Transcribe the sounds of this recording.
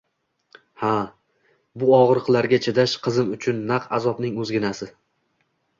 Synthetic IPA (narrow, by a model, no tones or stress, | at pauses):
ha | bʊɒʁɾqlˠaɾɡʲat͡ʃʰed̪aʃqʰɨzɪmʊt͡ʃʰʊnːaqʰa̰zɒbnɪŋɵzɡʲɪnasɪ